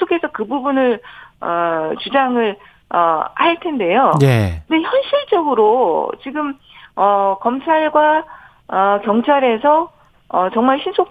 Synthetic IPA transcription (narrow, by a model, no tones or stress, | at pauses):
okʰe̞sʰʌkɯbubunɯɭʌt͡ɕud͡ʑaŋɯɭ | ʌhaɭtʰe̞nde̞joḛnde̞çjʌnɕʰiɭt͡ɕ͈ʌɡɯɾot͡ɕiɡɯm | ʌkʌmt͡ɕʰaɭɡwa | ʌkjʌŋt͡ɕʰaɾe̞sʰʌ | ʌt͡ɕʌŋmaɭɕʰinsʰok